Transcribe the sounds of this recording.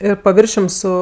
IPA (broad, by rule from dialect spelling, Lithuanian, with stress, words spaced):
ˈɪr pɐˈʋʲɪrʲʃʲʊm ˈsʊ